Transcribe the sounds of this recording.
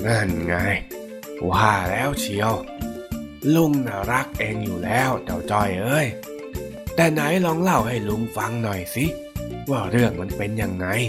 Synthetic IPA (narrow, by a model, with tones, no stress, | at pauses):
ŋa˧˩nŋa˧j | u˨˧˩haː˧˩lɛː˦˥˨wt͡ɕʰi˧˩˨əw | lu˧ŋnaː˨˧˩wɾa˦˥˩k̚ʔɛː˧ŋjuː˨˩lɛː˦˥˨wt͡ɕa˨˩wt͡ɕɔ˧˩jʔɤː˧˥˨j | t̪ɛː˨˩na˨˧˥jlɔː˧˥ŋla˧˩wha˧˩jlu˧ŋfa˧ŋnɔ˨˩jsi˧˦ | waː˧˩ɾɯ˧˩əŋ̚ma˧˥˨npe˧nja˧˩ŋːa˧˥j